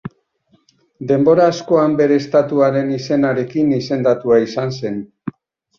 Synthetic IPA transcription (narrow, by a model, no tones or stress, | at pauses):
d̪e̞mbo̞ɾaːsko̞ambe̞ɾe̞ːst̪at̪uaɾe̞nise̞naɾe̞kinise̞nd̪at̪uaisanse̞n